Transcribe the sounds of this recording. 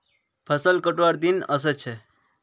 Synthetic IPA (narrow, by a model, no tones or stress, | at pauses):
pʰəsəlkəʈʋaɾd̪inəs̬ət͡ʃʰe